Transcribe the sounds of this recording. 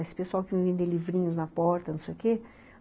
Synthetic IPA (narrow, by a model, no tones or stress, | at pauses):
esɪ̥pesuawkɪvẽj̃vẽnd̪elivɾĩɲʊznɐpɔɾt̪ɐnũsejʊke